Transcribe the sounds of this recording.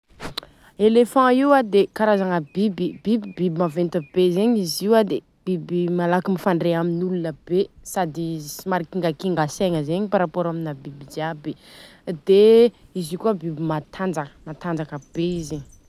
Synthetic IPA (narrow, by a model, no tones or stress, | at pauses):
elefɑ̃iwad̪ekaɾazaŋəbibib̥ibibibimavent̪abezeɲiziwad̪e | b̥ibimalakimifaɳɖ͡ʐeaminulunəb̥esad̪isimaɾikiŋɡakiŋɡaseŋəzeɲipaɾapoɾaminabibid͡ʒabed̪eizikuabibimat̪ʰand͡zakə̥mat̪and͡zakəb̥eizeɲ